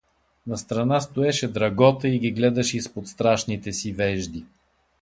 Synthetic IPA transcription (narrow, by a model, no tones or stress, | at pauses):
nɐst̪ɾɐnast̪oɛʃɛd̪ɾɐɡɔt̪əiɡiɡlɛd̪ɐʃɛispot̪st̪ɾaʃnit̪ɛsivɛʒd̪i